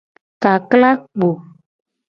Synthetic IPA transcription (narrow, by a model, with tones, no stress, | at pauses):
ka˨kla˦k͡po˨